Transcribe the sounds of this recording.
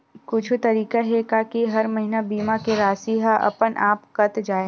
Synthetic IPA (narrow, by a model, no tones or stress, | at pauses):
kʊt͡ʃʰt̪ɐɾiːkaɦɛkaːkiɦɐɾmɐɦinabiːmãkeɾaːsiɦaʔɐ̰pənʔaːpkɐt̪d͡ʒaːe